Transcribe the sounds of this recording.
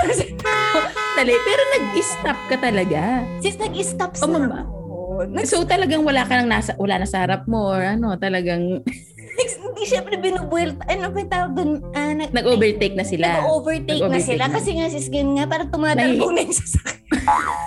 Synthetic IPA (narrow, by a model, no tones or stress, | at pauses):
st̪aot̪ɐlɛpɛːɾo̞nɐɡ̚ʔɪst̪ap̚kɐt̪ɐlɐɡasɪsnɐɡɪst̪ap̚somɐbaoʔoɐsot̪ɐlɐɡaŋwɐlaːkɐnɐŋnaːsɐwɐlanɐsɐhɐɾɐp̚moʔɹʔɐno̞t̪ɐlɐɡaŋ | ɪnd̪iʃɛmpɾɛbɪnuːbʊwɛlt̪ɐʔɐlomɛjt̪aːwoɡ̚d̪ʊnanɐnɐɡʔoːbɛɹt̪ɛk̚nɐsɪlɐaɡʔoːvɛɹt̪eɐjkonɐɛsɪlakkɐsɛŋasɪskɡɪnŋapaːɾɐt̪ʊmaːd̪anɐjʊŋsɐ̥sɐ̥kɛ